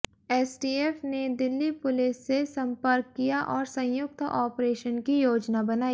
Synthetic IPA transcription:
eːsʈiːeːfned̪ɪlːipʊlɪsːesɐ̃mpəɾkːijaʔɔːɾsɐ̃jjʊk̚t̪ɔːpɾeːʃənkijoːd͡ʒnabɐnaːi

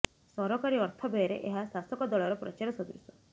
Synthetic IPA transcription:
sɔɾɔkaɾiɔɾt̪ʰɔbejɔɾḛʔeɦasasɔkɔd̪ɔɭɔɾɔpɾɔ̰t͡ʃaɾɔsɔd̪iɾusɔ̥

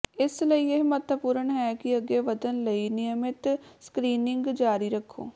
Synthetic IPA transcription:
ɪsləijeɦmɐt̪ʋəpuːɾəɳɦɛkiɐɡeʋɐd̪ənlɐinɪjəmɪt̪skɾiːnɪ̃ŋɡd͡ʒaːɾiɾɐkʰːo̰ː

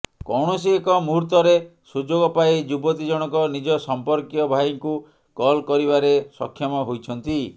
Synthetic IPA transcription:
kɔwɽ̃ɔsiekɔmuɾt̪ɔɾesud͡ʒoɡɔpajd͡ʒubɔt̪id͡ʒɔɽ̃ɔkɔnid͡ʒɔsɔmpɔɾkjɔbʱajiŋku | kɔlkɔɾiβaɾesɔ̰kʰːjɔmɔɦojt͡ʃʰɔnt̪i

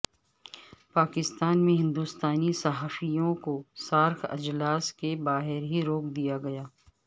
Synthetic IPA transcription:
paːkɪst̪aːnmẽɦɪ̃nd̪uːst̪aːnisɐɦaːfijõkosaːɾkɐ̰d͡ʒlaːskebaːɦɪɾɦiɾoːk̚d̪ijaɡɐjaː

